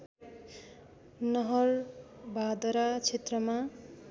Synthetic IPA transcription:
nʌɦʌrbʱad̪ʌɾat͡sʰet̪rʌma

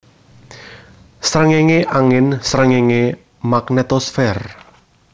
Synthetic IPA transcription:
sɾəŋeŋeʔaŋɪnsɾəŋeŋe | maknɛt̪ɔsfɛr

